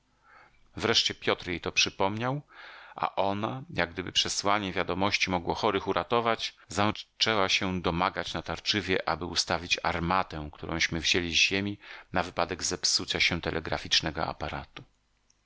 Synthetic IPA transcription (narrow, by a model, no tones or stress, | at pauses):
vɾɛʂt͡ɕɛpʲjɔt̪ɾjejt̪ɔpʂɘpɔmɲawʔa̰ʔɔnajaɡ̚ɡd̪ɘbɘpʂɛswaɲɛvʲjad̪ɔmɔɕt͡ɕimɔɡwɔxɔɾɘxuɾʔat̪ɔvad͡ʑ | zat͡ʂɛwaɕɛd̪ɔmaɡat͡ɕnat̪aɾt͡ʂɘvʲjɛʔabɘust̪avʲit͡ɕa̰ɾmat̪ɛ̃kt̪uɾʔɔ̰̃w̃ɕmɘvʑelʲizʑemʲinavɘpad̪ɛɡzɛpsut̪saɕɛ̃t̪ɛlʔɛɡɾa̰fʲit͡ʂnɛɡɔ̰a̰paɾat̪u̥